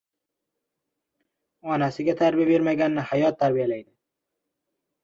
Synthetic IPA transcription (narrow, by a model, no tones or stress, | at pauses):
ɒnasɪɡʲat̪ʰaɾbijabe̞ɾmaɡʲanːɪhajɒt̪ʰːaɾbijalajd̪ɪ